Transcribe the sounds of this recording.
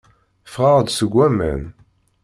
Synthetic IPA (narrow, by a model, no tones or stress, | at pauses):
fʁɑʁd̪səɡʷːæmə̰n